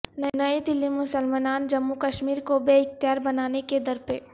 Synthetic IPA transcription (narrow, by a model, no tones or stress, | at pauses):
nɐnaid̪ɪlːimʊsəlmaːnaːnd͡ʒɐmːukɐʃmiːɾkobeɪxt̪ɪjaːɾbɐnaːneked̪ɐɾpeː